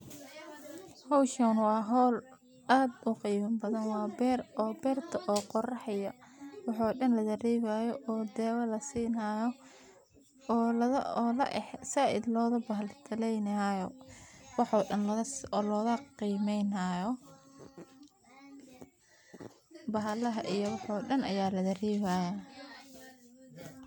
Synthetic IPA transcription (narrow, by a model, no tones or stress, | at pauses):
hɔwʃɐnwɑːɦɔːl | aːd̪ʊqiːmɐmbɐðɐnwɑːbɛrɔːbɛːrt̪ʰɐʔɔːqɔrɑħɐjɐwɑħɔːɗɐnlɐd̪ɐriːβaːjɔʔɔːd̪ɛːwɐlɐsiːnaːjɔ | ɔːlɐðɐɔːlɐ̰ʔɛħsaʔɪ̰d̪lɔːðɐbɐɦɐlt̪ʰɐlɛjnɐajɔwɑħɔːɗɐnlɐɐɔːlɔːɣɐqiːmɛjnajɔ | bɐɦɐlɐɦɐʔijɔwɑħɔːɗɐnɐjaːlɐd̪ɐriːβaja